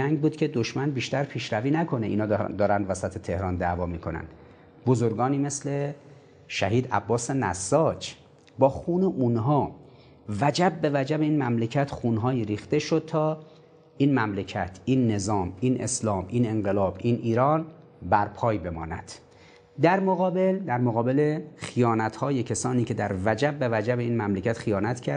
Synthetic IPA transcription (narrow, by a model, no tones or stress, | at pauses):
æŋɡbuːd̪̥cʰe̞d̪oʃmænbiːʃt̪æɾpʰiːʃɾæviːnækʰo̞neʔḭːnɒːd̪ɒːɾænd̪væsæt̪ʰet̪ʰe̞hɾɒːnd̪ævɒːmiːkʰo̞næ̰n | bozoɾɡɒːniːme̞sle̞ | ʃæɦiːd̪æ̰bːɒːsenæsːɒːd͡ʒ | bɒːxuːneʔunɦɒː | væd͡ʒæb̚ːe̞væd͡ʒæbeiːnmæmlecʰæt̪ʰxunɦɒːjiːɾiːxt̪e̞ʃo̞d̪̥̚t̪ʰɒː | iːnmæmlecʰæt̪ʰiːnːe̞zɒːmiːnʔḛslɒːmʔiːne̞ŋɢelɒːbʔiːnʔiːɾɒːn | bæɾpʰɒːjbe̞mɒ̰ːnæ̰d̪̥ | d̪æɾmoɣɒːbe̞ld̪æɾmoɣɒːbe̞le̞xijɒːnæt̪ʰhɒːjecʰesɒːniːcʰe̞d̪æɾvæd͡ʒæb̚ːe̞væd͡ʒæbeiːnmæmlecʰæt̪xijɒːnæt̪cʰæɾ